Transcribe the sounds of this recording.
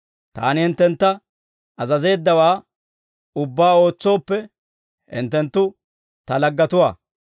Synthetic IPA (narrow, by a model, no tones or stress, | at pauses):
t̪a̰ːnɪhɪnt̪ːɛnt̪ːɐ | ɐzɐze̞ːd̪ːɐwaː | ʊbːaːo̞ːt͡sːo̞ːpːɛ | hɪ̰nt̪ːɛnt̪ːʊ | t̪ɐlɐɡːɐt̪ʊwaː